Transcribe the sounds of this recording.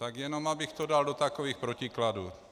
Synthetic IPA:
t̪aɡjɛno̞mabɪxt̪odaldo̞t̪akoviːxpɾocɪkladuː

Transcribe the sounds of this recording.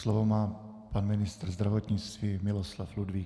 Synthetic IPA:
slovomaː | panmɪnɪst̪r̩zd̪ɾavot̪ɲɪt͡st̪viːmɪloslafludviː

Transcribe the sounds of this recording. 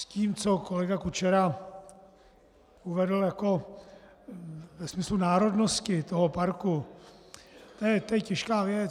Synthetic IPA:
sciːmt͡so̞ko̞lɛɡakut͡ʃɛɾa | uvɛdl̩jako̞ | vɛsmɪslunaːɾo̞dnoscɪt̪o̞ɦopaɾku | t̪ojɛt̪ɛjɛcɛʃkaːvjɛ

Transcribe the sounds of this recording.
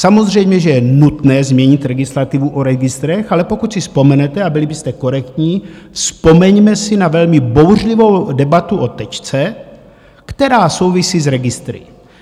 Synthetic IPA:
samo̞zr̝ɛjmɲɛʒɛjɛnut̪nɛːzmɲɛɲɪt̪ɾɛɡɪslat̪ɪvuʔoɾɛɡɪst̪ɾɛxalɛpo̞kut̪sɪspo̞mɛnɛt̪ɛabɪlɪbɪst̪ɛko̞ɾɛkt̪ɲiːfspo̞mɛɲmɛsɪnavɛlmɪbowrlivo̞wdɛbat̪uʔot̪ɛt͡ʃt͡sɛ | kt̪ɛɾaːso̞wvisiːzɾɛɡɪst̪ɾɪ̰

